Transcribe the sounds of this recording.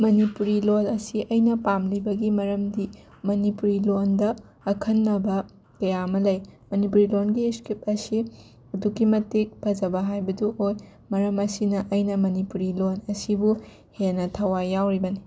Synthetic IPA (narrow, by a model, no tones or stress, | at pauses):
mɐnipuɾilonɐsiʔɐjnɐpamlibɐɡimɐɾɐmdi | mɐnipuɾilondɐː | kʰɐnːɐbɐ | kɐjamɐlɐjmɐnipuɾilonɡiskip̚ɐsi | ɐdukimɐtik̚pʰɐd͡ʒɐbɐɦajbɐduoj | mɐɾɐmɐsinɐʔɐjnɐmɐnipuɾilonɐsibu | henɐtʰɐwajawɾibɐni